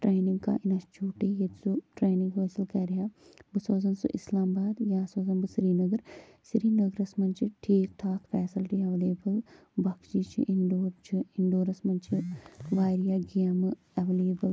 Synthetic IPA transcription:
ʈɾeːniŋɡka̰ːʔinɐt͡ʃuːʈejɐt̪zuʈɾeːnĩŋɡʋʰeːsɪlkɛɾija | bɨsoːzɐnsṵʔɪslaːmbaːd̪jaːsoːzɐnbɨsiɾiːnɐɡɐɾ | siɾiːnɐɡɾɐsmɐnt͡ʃʰiʈʰiːk̚t̪ʰaːkfɛːsɪlʈiːɐʋleːbəl | bɐkʰd͡ʒiːt͡ʃʰḭʔiɳɖoːɾt͡ʃʰiɪɳɖoːɾɐsmɐnt͡ʃʰiʋaːɾijaːɡeɐm | ɐʋeleːbəl

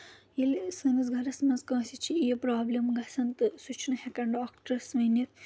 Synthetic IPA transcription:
ilsɐmɐzɡʱɐɾɐsmɐnzkɐ̃ːsʲit͡ʃʰiepɾaːblimɡɐsʰɐnt̪ɨsut͡ʃʰnɐhekɐɳɖaːkʈɐɾsmɐnit̪

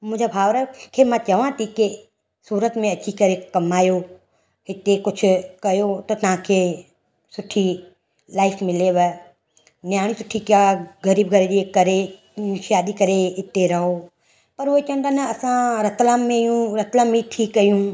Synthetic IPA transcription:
mʊ̃ːd͡ʒabʱaːʋɾəkʰemãt͡ʃɐʋãt̪ʰike | suːɾət̪mẽɐt͡ʃʰikɐɾekɐmaːjo | ɪt̪ekʊt͡ʃʰʊkɐjot̪ot̪ɐɦãkʰe | sʊʈʰːi | laːɪfʰmɪleʋɛ | njaːɽ̃ĩsʊʈʰːikaɡɐɾiːbɡʱɐɾed͡ʒekɐɾe | ʃaːd̪ikɐɾeɪt̪eɾɐɦo | pɐɾoet͡ʃɐ̃nd̪aːnɐɐsãɾɐt̪lamːẽjũɾɐt̪lamĩʈʰiːkːɐjũː

